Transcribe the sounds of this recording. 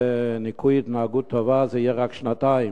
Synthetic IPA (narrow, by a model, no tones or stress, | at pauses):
nɪkʰuɪdn̩aɡutʰɔvazejɛʁakʃnataɪ